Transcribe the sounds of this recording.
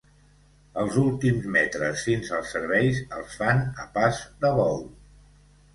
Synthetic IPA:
əlˠzulˠt̪imzmɛt̪ɾəsfinsəlˠsːəɾβɛjzəlˠsfanəpazd̪əβɔw

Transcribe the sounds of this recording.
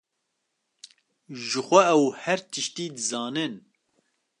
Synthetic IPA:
ʒɨxʷɛɛwhɛɾt̪ʰɨʃt̪iːd̪ɨzɑːnɨn

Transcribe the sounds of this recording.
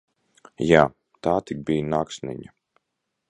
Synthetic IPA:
jaː | t̪aːt̪ik̚bijnaːksnḭɲa

